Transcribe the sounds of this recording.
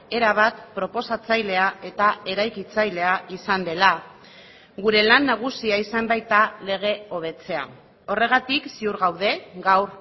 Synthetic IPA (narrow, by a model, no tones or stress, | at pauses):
e̞ɾaβ̞at̪pɾo̞po̞sat͡sajle̞ae̞t̪ae̞ɾajkit͡sajle̞aisand̪e̞la | ɣuɾe̞lanːaɣ̞usiaisambajt̪ale̞ɣ̞e̞o̞β̞e̞t͡se̞a̰ | o̞re̞ɣ̞at̪iksiuɾɣawðe̞ɡawr